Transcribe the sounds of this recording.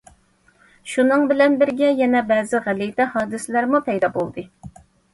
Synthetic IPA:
ʃunɨŋbɪlɛnbɪɾɡʲɛjɛnɛbɛːzɪʁælijt̪ɛhɑːd̪ɨsɪlæɾmupʰɛjd̪ɑbolˠd̪ɨ

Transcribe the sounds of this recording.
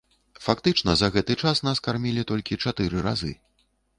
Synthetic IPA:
fakt̪ɨt͡ʂnɐzɐɣɛt̪ɨt͡ʂasnaskarmʲilʲit̪ɔlʲkʲit͡ʂat̪ɨɾɨɾa̰zɨ̰

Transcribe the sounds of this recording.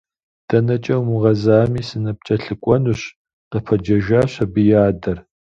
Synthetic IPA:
d̥ɐnɐt͡ʃʼɐwmuʁɐzaːmiːsɨnɐp̚t͡ʃʼɐɬɨkʷʼɔnuɕ | qəpʰɐd͡ʒɐʒaːɕɐbɨjaːdɐr

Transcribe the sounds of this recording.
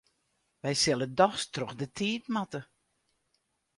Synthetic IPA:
ʋɛjsɪlˠədɔxstrɔxdətʰiːtmatə

